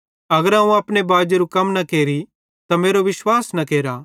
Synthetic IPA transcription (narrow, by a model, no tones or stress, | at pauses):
ɐɡəɾɦãːũaːpɽ̃ebaːd͡ʒeɾukɐmnɐkeːɾi | t̪ameːɾoʋɪswaːsnɐkeːɾa